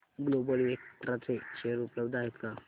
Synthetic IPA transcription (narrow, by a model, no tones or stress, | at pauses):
ɡlobəliekʈɾat͡seɕeəɾupləbd̪aɦet̪ka